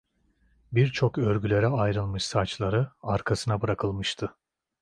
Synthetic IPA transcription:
biɾt͡ʃʰo̞kø̞ɾɟʲylʲe̞ɾɛajɾɯlˠmɯʃsat͡ʃlˠaɾɯaɾkʰasɯnabɯɾakʰɯlˠmɯʃt̪ʰɯ

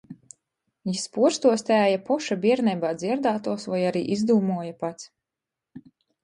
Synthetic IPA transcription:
jispuɔɾst̪uɔst̪æːjapɔʃabʲiɛɾnɛbaːd̪zʲiɛɾd̪aːt̪uɔsvajaɾḭːʔizd̪uːmuɔjapat̪s

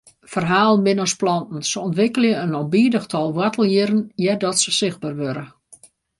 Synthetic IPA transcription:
fərɦaːlˠənmɪnɔsplɔntn̩səɔntʋɪkəlˠjəənɔmbiːdəxtʰɔlˠʋwatəlˠjɪɾənjɛdɔtsəsɪx̚baːrʋøɾə

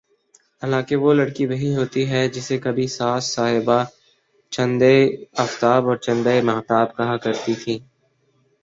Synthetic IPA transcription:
ɦaːlãːkeʋolɐɽkibɐɦiɦoːt̪iɦɛd͡ʒɪsekɐbʱisaːsːaːɦɪba | t͡ʃɐ̃nd̪eɐft̪aːbɔːɾt͡ʃɐ̃nd̪aemɐːɦt̪aːbkɐɦãkɐɾt̪it̪ʰiː

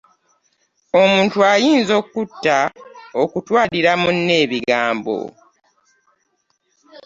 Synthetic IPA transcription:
o̞muːntuajiːnzo̞kːutːaokutwaːliɾamunːe̞ːβiɡaːmbo̞̰

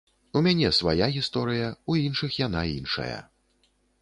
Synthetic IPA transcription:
umʲanʲɛsvajaɣʲist̪ɔɾɨjɐuinʂɨxjanainʂɐ̰jɐ̰

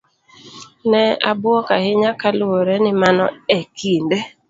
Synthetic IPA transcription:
nɛabʊɔkahɪɲakalʊoɾɛnɪmanɔekʰinde

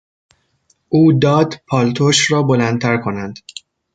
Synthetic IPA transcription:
ʔuːd̪ɒːd̪pʰɒːlt̪ʰoʃɾɒːbolænt̪ʰæɾkʰo̞nænd̪̥

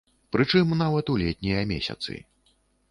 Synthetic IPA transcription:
pɾɨt͡ʂɨmnavɐt̪ulʲɛt̪ʲnʲɛjɐmʲḛsʲɐ̰t̪sɨ̰

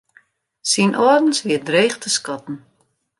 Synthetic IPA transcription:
sinʔɔrdn̩sʋiədreːχtʰəskɔtn̩

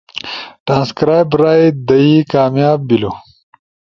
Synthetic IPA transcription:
ʈɾaːnskɾaːjbɾaːjd̪ɐikaːmjaːbːilo

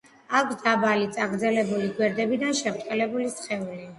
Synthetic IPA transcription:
akʰsd̪abalit̪sʼaɡɾd̪zɛlɛbuliɡwɛɾd̪ɛbid̪anʃɛmt̪ʼɛlɛbulisχɛuli

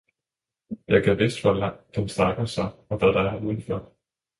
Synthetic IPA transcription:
jʔɑɪɡ̥æʋe̝sd̥ʋɒlɑŋ̰d̥ensd̥ʁɑ̈ɡ̥ɐsɑ̈ɪɒ̽ʋæðd̥ɑ̈hɑuːð̩ˠføɐ̰d̥

